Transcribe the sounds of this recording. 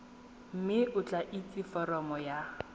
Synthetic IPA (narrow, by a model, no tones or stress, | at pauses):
m̩mɪʊt͡ɬʼaʔit͡sʼɪfɔɾɔmɔja